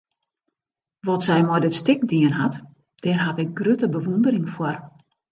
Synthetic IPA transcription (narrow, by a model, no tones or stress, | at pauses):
ʋɔtsɛjmɔjdətstɪk̚diənɦat | d̥ɛrɦapɪk̚ɡrøtəbəʋundərɪŋfwər